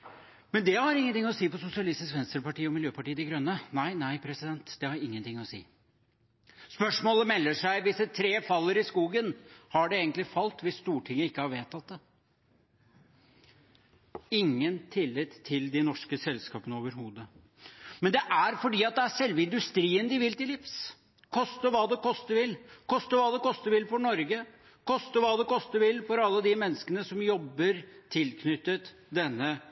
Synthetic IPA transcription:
mɛnd̪ɛhɑɾɪŋːənt̪ɪŋːɔsiːpɔsʊsɪɑlɪst̪ɪskʋɛnst̪əɾpɑʈiːɔmɪljøːpɑʈiːəd̪ɛɡɾœnːənæɪnæɪpʰɾɛsɪd̪ɛnt̪d̪ɛhɑɾɪŋːənt̪ʰɪŋːɔsḭː | spœʂmoːləmɛlːəʂæɪʋɪsːət̪ʰɾeːfɑlːəɾɪskuːɡənhɑɖɛeːɡənt̪lɪfɑlt̪ʋɪsːt̪uːʈʰɪŋːəɪkːəhɑɾʋeːt̪ʰːɑt̪̚d̪ɛ | ɪŋːənt̪ʰɪlːɪt̪ʰːɪld̪ɪnɔʂkəsɛlskɑ̰ːpənəoːʋəɾɦuːd̪ə | mɛnd̪ɛʔæɾfɔɖiːɑt̪̚d̪ɛæʂɛlʋəɪnd̪ʉst̪ɾiːənd̪ɪʋɪlt̪ɪlɪfs | kʰɔst̪əʋɑːd̪ɛkʰɔst̪əʋɪlkʰɔst̪əɾʋɑːd̪ɛkʰɔst̪əʋɪlfɔɳɔɾɡə | kʰɔst̪əʋɑːd̪ɛkʰɔst̪əʋɪlfɔɾɑlːəd̪ɪmɛnːəskənəsɔmjɔbːəɾt̪ʰɪlkʰnʏt̪ːət̪ | d̪ɛnːə

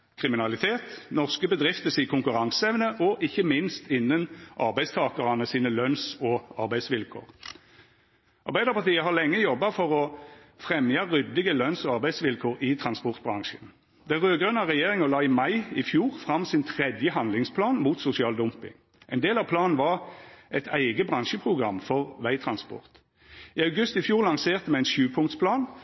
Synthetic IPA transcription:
kʰʁɪmɪnɑlɪt̪ʰeːt̪nɔʁskəbəd̪ʁɪft̪əsɪkʰʊŋkʉʁɑŋsəɛʋnəʔɔʔɪçːəmɪnst̪ɪnːənʔɑʁbæɪst̪ʰɑːkəʁɑnəsiːnəlœnsɔɑʁbæɪsʋɪlkʰo̰ːʁ | ʔɑ̰ɾbæɪd̪əʁpɑʁt̪iːəɦɑʁlɛŋːəjɔbːɑfɔʁɔfʁɛmjɑʁʏd̪ːɪɡəlœnsɔɑʁbæɪsʋɪlkʰoːɾɪt̪ʰʁɑnspɔʁt̪̚bʁɑŋʃən | d̪̥ɛʁøːɡʁœnɑʁɛjeːʁɪŋɔlɑːɪmɑɪɪfjuːʁfʁɑmsɪnt̪ʰʁɛd̪jəɦɑnd̪lɪŋspʰlɑːnmuːt̪sʊsɪɑːld̪ʊmpɪ̰ŋ | ʔɛɪnd̪eːlɑʋpʰlɑːnn̩ʋɑʁʔɛt̪ʰæɪɡəbʁɑŋʃəpʰʁʊɡʁɑmːfɔʁʋæɪt̪ʰʁɑnspɔ̰ʁt̪ | iːɑʉɡʉst̪ɪfjuːʁlɑŋseːʁt̪əmɛæɪnʃʉːpʰʊŋt̪spʰlɑːn

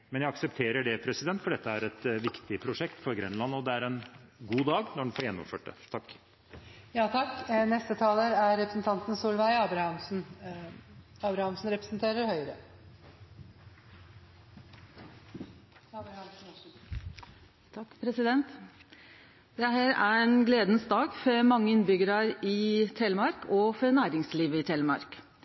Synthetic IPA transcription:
mɛnjæɪɑksəpt̪ʰeːɾəɖɛpʰɾɛsɪd̪ɛnt̪fɔɖɛt̪ʰːəæɾɛt̪ʋɪkt̪ɪpʰɾʊʂɛkt̪fɔɾɡɾɛ̰nlɑnɔd̪ɛæɾɛnɡuːd̪ɑːɡnɔɖn̩fɔːɾjɛnːɔ̰mføːʈ̚d̪ɛ̰t̪ʰɑkː | jɑːt̪ʰɑkːnɛst̪ət̪ʰɑːləɾæɾːɛpɾəsn̩t̪ʰɑnt̪n̩suːlʋæɪɑːbɾhɑmsn̩ | ɑːbɾɑhɑmsn̩ɾɛpɾəsnt̪ʰeːɾəɾhœʏəɾə | ɑbɾhɑmsn̩ | t̪ʰɑkːpʰɾɛsɪd̪ɛnt̪ | d̪̥ɛhæːɾæɛnɡleːd̪nsd̪ɑːɡfɔmɑŋːəɪnbʏɡəɾɑɾɪt̪ʰɛləmɑɾkɔfɔɾnæːɾɪŋsliːʋəɪt̪ʰɛːləmɑ̰ɾk

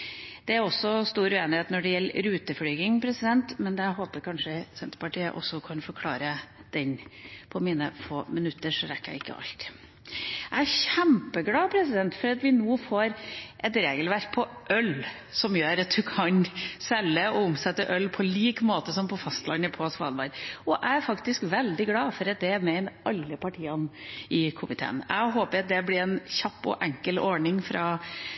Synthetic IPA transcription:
d̪̥ɛæɾɔsːɔst̪uːɾʉeːnɪheːt̪nɔɖɛjɛlːɾʉːt̪əfɽyːɡɪŋpʰɾɛsɪd̪ɛnt̪mɛnd̪ɛæɦoːpəɾkʰɑnʂəsɛnt̪ə̥pɑʈiːə̰ʔɔ̰sːɔkʰɑnfɔɾkʰlɑ̰ːɾəd̪̥ɛnpʰɔmiːnəfoːmɪnʉt̪ːəɾʂɔɾɛkːəæ̰ɪɪkːə̰ʔɑ̰lt̪ | æɪæɾçæmpəɡlɑːpʰɾɛsɪd̪ɛnt̪fɔɾɑt̪ʋɪnuːfoːɾʔɛt̪ɾeːɡəlʋæɾk̚pʰɔʔœl | sɔmjøːɾɑt̪̚d̪ʉkʰɑnsɛlːəɔʊmsɛt̪ːəʔœlːpʰɔliːkmoːt̪əsɔmpʰɔfɑst̪lɑnːəpʰoːsʋɑ̰lbɑɾɔʔææɾfɑkt̪ɪskʋɛld̪ɪɡlɑːfɔɾɑt̪̚d̪ɛmɛnɑlːəpʰɑʈʰiːɑnʔɪkʰʊmɪt̪ʰḛːə̰næ̰ɪɦoːpəɾɑt̪̚d̪ɛblɪɾɛnçɑpːɔ̰ʔɛŋkəlɔɳɪŋfɾɑ

